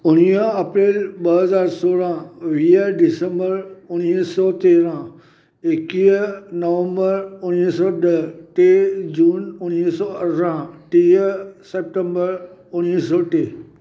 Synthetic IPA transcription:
ʊñiəɐpɾeːlɓɐɦɐzaːɾsoːɽãʋiːəɖɪsə̃mbəɾʊñisɔːt̪eːɾã | ɪkiːənɐʋə̃mbəɾʊñisɔːɗəʈeːd͡ʑuːnʊñisɔːɐɾãʈiːəseːp̚ʈẽmbəɾʊñis̬ɔːʈeː

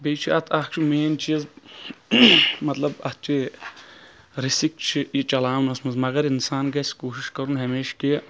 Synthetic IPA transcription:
beːt͡ʃʰiɐt̪ʰɐkt͡ʃʰimeːnt͡ʃʰiz | mɐt̪lɐbɐ̰t̪̚ʰt͡ʃʰi | ɾisik̚t͡ʃʰijit͡ʃɐlaːmnɐsmɐzmɐɡɐɾinsaːnɡɐsʲkoːʃiʃkɐɾunɦɐmeːʃki

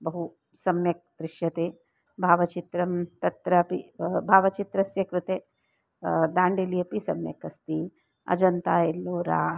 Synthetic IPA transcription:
bɐɦu | sɐmjɐk̚d̪̥ɾɪʃjɐt̪eː | bʱaːʋɐt͡ʃit̪ɾɐmt̪ɐt̪ɾɐpibʱaːʋɐt͡ʃit̪ɾɐsjɐkɾut̪eː | d̪aːɳɖelijɐpisɐ̰mjɐ̰kɐst̪i | ɐ̰d͡ʒɐnt̪aːelːoːɾa̰ː

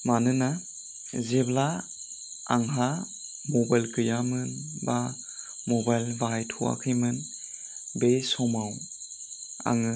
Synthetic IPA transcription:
manɯna | zebla | aŋɦa | mɔbajlkɯjamɯnba | mɔbajlbajtʰuwa̰kʰɯjmɯn | bejsɔmaw | a̰ŋɯ

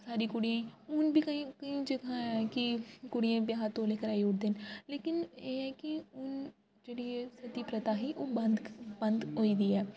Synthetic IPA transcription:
saːɾiːkʊɽijãːʊnbʱikəĩkəĩd͡ʒəɡãɛːkikʊɽijãːbjaːɦat̪õleːkəɾaːiʊʈd̪eːnleːkɪneːɦɛːkiʊn | d͡ʒeːɽiesət̪iːpɾət̪aːɦiːʔoːənd̪bənd̪ɦoːiːd̪iːɛː

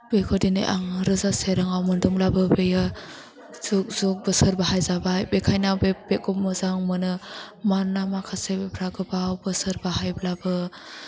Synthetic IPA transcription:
bejkʰɔdinḛʔa̰ŋɾɯzaseɾaŋawmɯnduŋlabɯbeja | z̥uk̚z̥ɔk̚bɯsɯɾbaɦajzabajbekʰajnabeb̥ekɔp̚mɯzaŋmɯnɯmanːamakʰasebepʰɾaɡɯbawbɯsɯɾbaɦajblabɯ

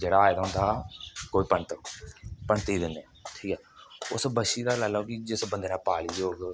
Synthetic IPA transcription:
d͡ʒeːɽaːed̪aːɦʊ̃nd̪aːkoːiːpənt̪ | pəɳt̪iːd̪ɪnːeːʈʰiːkɛːʊsbəʃiːd̪aːlalakid͡ʒɪsbənd̪eːnãːpaːliːjoːɡ

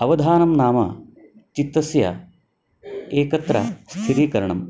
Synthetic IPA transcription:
ɐʋɐd̪ʱaːnɐmnaːmɐ̰ | t͡ʃit̪ːɐsjɐ̰ | eːkɐt̪ɾɐ̰st̪ʰiɾiːkɐɾɐɳɐm

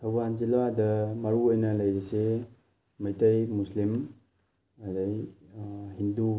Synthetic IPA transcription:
tʰawband͡ʒiladɐmɐɾuojnɐlɐjɾise | mɐjtɐjmuslim | adaj | ɦindu

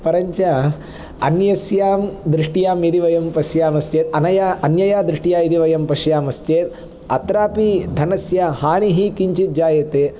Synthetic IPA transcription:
pɐɾɐɲt͡ʃa | ɐnjɐsjaːmd̪ɾɪʂʈijaːmid̪iʋɐjɐmpɐsjaːmɐst͡ʃeːt̪ɐnɐjaɐnjɐjaːd̪ɾɪʂʈijaːid̪iʋɐjɐmpɐʃjaːmɐst͡ʃeːt̪ | ɐt̪ɾaːpid̪ʱɐnɐsjahaːniɦikiɲt͡ʃit̪̚d͡ʒaːjɐt̪eː

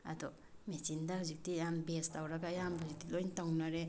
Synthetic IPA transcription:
a̰d̪ɔ | mesindaɦuzik̚dijambestawɾaɡajamhuzik̚dilojntawnaɾe

